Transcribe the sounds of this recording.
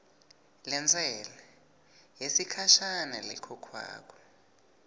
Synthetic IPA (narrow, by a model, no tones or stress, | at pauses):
lɛnd͡zʱɛlɛ | jesikʰaʃanalɛ̰kʰɔkʰwa̰ːk̬ʰʼɔ̥